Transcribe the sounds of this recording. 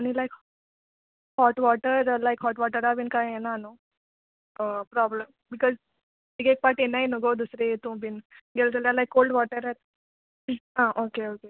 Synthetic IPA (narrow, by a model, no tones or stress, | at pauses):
añilajk | hɔʈʋɔʈəɾɾlajkɦɔʈʋɔʈəɾabinkajenano | əpɾɔbləm | bikɔz | miɡek̚paʈenainuɡəwd̪usɾeet̪ũbʱinɡelt̪eljalajkːolɖʋɔʈəɾet̪̚ | ɦãʔokeoke